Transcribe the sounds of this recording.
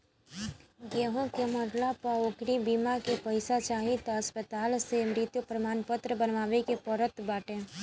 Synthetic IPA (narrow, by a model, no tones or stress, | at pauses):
ɡeːɦõkemətlapəokɾibimakepəɪsat͡ʃaːɦɪt̪ɦəspət̪aːlsemɾɪt̪jupɾəmaːnpət̪ɾəbənʋaːʋekepəɾət̪baːʈe